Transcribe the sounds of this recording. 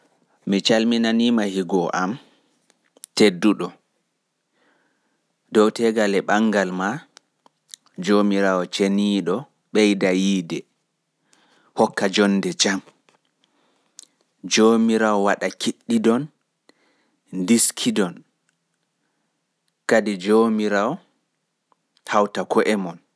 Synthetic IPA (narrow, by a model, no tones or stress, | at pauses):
mit͡ʃalminanimahiɡɔʔam | tedːuɗɔ | dɔwtɛɡalɛɓaŋɡalma | d͡ʒomiɾawɔt͡ʃeniɗɔ | ɓɛjdajiːdɛ | hɔkːad͡ʒɔndɛd͡ʒam | d͡ʒoːmiɾawɔwaɗakʰiɗːidɔn | diskʰidɔn | kadid͡ʒomiɾawɔ | hawtakʰɔʔɛmɔn